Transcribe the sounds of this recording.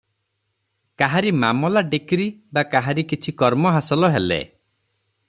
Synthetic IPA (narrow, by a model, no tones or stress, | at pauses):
kaɦaɾimamɔlaɖekɾibakaɦaɾikit͡ʃʰikɔɾmɔɦasɔlɔɦelḛ